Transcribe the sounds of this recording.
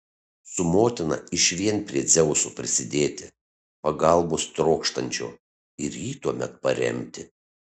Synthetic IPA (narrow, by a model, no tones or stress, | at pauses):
sʊmoːt̪ʲɪnɐ̰ɪʃʋʲiɛnpʲɾʲiɛd̪zʲɛʊsupʲɾʲɪsʲɪd̪ʲeːt̪ʲɪ | pɐɡɐlˠboːst̪ɾoːkʃt̪ɐnʲt͡ʃʲo̰ː | ɪɾjiːt̪uɔmʲɛ̰t̪̚pɐɾʲɛ̰mʲt̪ʲɪ